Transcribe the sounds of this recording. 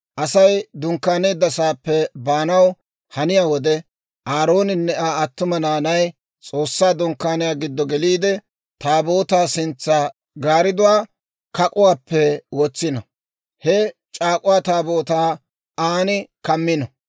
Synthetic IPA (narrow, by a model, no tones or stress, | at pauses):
ʔɐsɐjd̪ʊŋkːaːne̞ːd̪ːɐsaːpːɛbaːnɐw | hɐnɪjaːwɔd̪ɛ | ʔaːɾo̞ːnɪnːɛaːɐt̪ːʊmɐnaːnɐj | t͡sʼo̞ːsːaːd̪ʊŋkːaːnɪjaːɡɪd̪ːɔɡɛliːd̪ɛ | t̪aːbo̞ːt̪aːsɪnt͡sːa | ɡaːɾɪd̪ʊwaː | kɐkʼʊwaːpːɛwɔt͡sːɪnɐ | hɛt͡ʃʼaːkʼʊwaːt̪aːboːt̪aː | aːnɪkɐmːɪnɔ